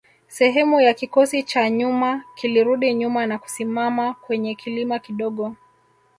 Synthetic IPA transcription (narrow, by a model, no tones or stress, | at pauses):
sɛɦɛmujakikɔsit͡ʃaɲumakiliɾuɗiɲumanaku̥simamakwɛɲɛkilimakiɗɔɠɔ